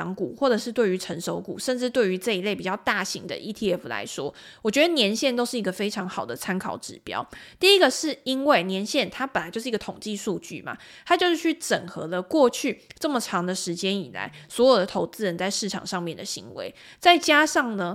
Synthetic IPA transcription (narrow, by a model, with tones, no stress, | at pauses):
ŋkṵ˨˩xwɔ˥˩ʈ͡ʂɤ˨˩ʂɻ̩˥˧t̪we˥˩y˧˥ʈ͡ʂʰə˧˥nʂo˧˥ʊkṵ˨˩ʂə˥˧nʈ͡ʂɻ̩˥˧t̪we˥˩ɪy˧˥ʈ͡ʂɤ˥˩i˧le˥˩ɪpi˨˩t͡ɕɑ˥˧ʊt̪a˥˩ɕi˧˦ŋd̪ə̰˧˨ʔi˥t̪ʰi˥ɛ˥˩fla̰˧˥ɪʂwɔ˦˥wɔ˨˩t͡ɕɥɛ˧˥d̪ə˧njɛ˧˥nɕjɛ˥˧nt̪o˥ʊʂɻ̩˥˩i˧˥ɡə˧fe˥ɪʈ͡ʂʰɑ˧˥ŋxɑ˨˩ʊd̪ə˦t͡sʰa˥nkʰɑ˨˩ʊʈ͡ʂɻ̩˨˩pjɑ̰˥ʊt̪i˥˩i˦˥ɡə˨ʂɻ̩˥˩i˥nwe˥˩ɪnjɛ˧˥nɕjɛ˥˩nt̪ʰa˥pə˨˩nla˨˦t͡ɕjo˥˧ʂ̩˥˧˥ɡə˧t̪ʰoʊ˨˩ŋt͡ɕi˥˧su˥˧t͡ɕy̰˥˨˩ma̰˩t̪ʰa˥t͡ɕjo˥˧ʊʂɻ̩˥˩t͡ɕʰy˥˩ʈ͡ʂə˨˩ŋxɤ˧˦lə˧kwɔ˥˧t͡ɕʰy˥˩ʈ͡ʂə˥˩mə˨˩ʈ͡ʂʰɑ˧˥ŋd̪ə˧ʂɻ̩˧˥t͡ɕjɛ˦˥ni˨˩la̰˧˦ɪswɔ˧˥jo˨˩ʊd̪ə˩t̪ʰo˧˥ʊt͡sɹ̩˥ɻə˧˦nt͡sa˥˧ɪʂɻ̩˥˩ʈ͡ʂʰɑ̰˨˩ŋʂɑ˥˧ŋmjɛ˥˩nd̪ə˩ɕḭ˧˥ŋwḛ˧˦ɪt͡sa˥˩ɪt͡ɕja˥ʂɑ˥˩ŋnə˩